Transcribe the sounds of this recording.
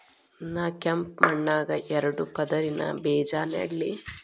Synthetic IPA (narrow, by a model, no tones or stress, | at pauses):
naːkɐmp̚mɐɳːaːɡɐʔɛɾɐɽupɐd̪ɐɾinɐ̰bɛːd͡ʒaːnḛɽli